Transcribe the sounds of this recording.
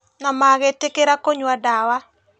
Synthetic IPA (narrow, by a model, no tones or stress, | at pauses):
nɔmaɡɛtɪkeɾakoɲwadawa